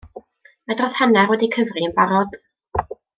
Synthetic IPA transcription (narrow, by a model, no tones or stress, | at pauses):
madrɔθhanɛrwɛdikʰəvriənbaɾɔd̥